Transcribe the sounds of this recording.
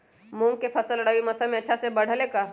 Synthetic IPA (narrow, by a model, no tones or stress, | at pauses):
mũŋɡ̚kepʰɐsəlːəɽaːwimɐsamẽɐtːʃʰasebɐɽ̤leka